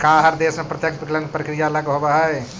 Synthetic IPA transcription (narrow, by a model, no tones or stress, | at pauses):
kaɦəɾd̪esmepɾət̪jəkpiklənpɾəkɾijaləɡɦobəɦəj